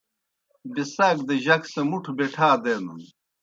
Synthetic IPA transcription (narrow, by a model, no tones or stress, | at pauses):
bisaːkd̪eʑɐksɐmuʈʰbeʈʰaːd̪eːnṵn